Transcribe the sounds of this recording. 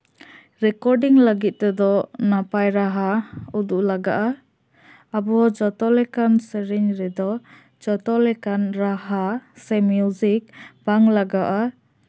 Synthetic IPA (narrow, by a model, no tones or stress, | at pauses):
ɾɛkɔɾɖiŋləɡit̪̚t̪ɛd̪ɔnapajɾaɦaud̪uʔlaɡa̰ʔa | abɔd͡ʒɔt̪ɔlɛkansəɾiɲɾɛd̪ɔ | d͡ʒɔt̪ɔlɛkanɾaɦasɛmjud͡ʒik̚b̥aŋlaɡaʔa